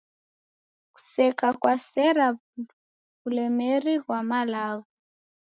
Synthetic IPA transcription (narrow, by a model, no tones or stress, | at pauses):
ku̥sɛkakwasɛɾa | βulɛmeriɦwamalaːɣu